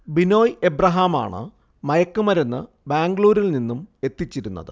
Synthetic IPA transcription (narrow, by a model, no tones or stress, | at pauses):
bino̞ːjebrɐɦaːma̰ːɳɨ̰ | mɐjɐkːumɐɾenːɨ | baːŋɡɭuːɾilninːume̞t̪ːit͡ɕːiɾunːɐ̰ðɨ̰